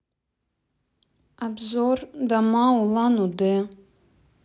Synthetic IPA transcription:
abzordamaulanude

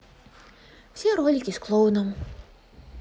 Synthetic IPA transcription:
sʲiɾoːlʲɪkʲɪsklˠɔʊnɐm

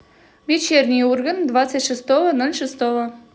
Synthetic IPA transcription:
vʲet͡ɕernʲijurɡənd̪vat̪t͡s̪ːətʲʃɨst̪oʋənolʲʂɨst̪ovə

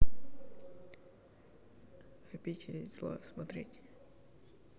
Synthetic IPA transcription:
ɐpʲitʲɪlʲɪslˠa̰smɐt̪ɾʲetʲ

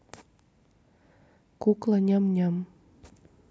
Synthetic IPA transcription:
kuklaɲamɲam

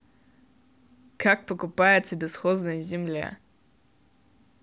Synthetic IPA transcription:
kʰak̚pəkʊpajɪt̪səbʲɪsxoznəjəzʲɪmlʲa̰

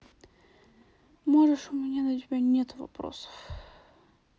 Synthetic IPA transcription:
moʐɨʂʊmʲɪnʲad̪ɐtʲɪbʲanʲet̪ʊvɐ̰pɾo̰sə̥f

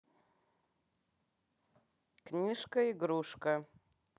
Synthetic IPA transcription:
knʲiʂkɐiɡɾuʂkɐ

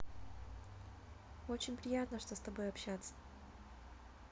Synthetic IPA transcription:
o̞t͡ɕɪnʲpɾʲɪjat̪nəʂt̪ost̪ɐbo̞jɐpɕːat̪sːə̥

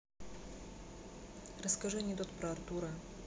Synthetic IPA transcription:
rəskɐʐɨnʲit̪ot̪pɾɐɐrt̪uɾɐ

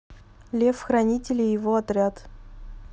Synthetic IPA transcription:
lʲe̞fxɾɐnʲitʲɪlʲɪjɪvoɐt̪ɾʲat̪

